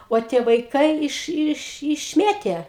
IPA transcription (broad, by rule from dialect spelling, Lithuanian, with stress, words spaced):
oː ˈtʲiɛ ʋɐɪˈkɐɪ ɪʃ ɪʃ ɪʃʲˈmʲeːtʲeː